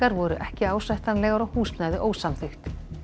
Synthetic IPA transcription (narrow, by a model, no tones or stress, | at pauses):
aɾvɔɾʏʔɛhcɪaːwsvajht̪anlɛːɣaɾawhuːsnaːjðɪʔoːwsamθɪxt̪